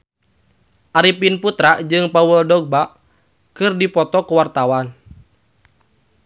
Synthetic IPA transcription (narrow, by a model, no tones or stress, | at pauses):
ʔaɾipinput̪ɾaʔd͡ʒɨŋpawəldɔɡ̚baʔ | kɨrdipɔt̪ɔkuwart̪awan